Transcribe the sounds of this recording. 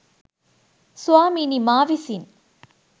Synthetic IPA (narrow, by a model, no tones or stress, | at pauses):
sʊaːminimaːʋisin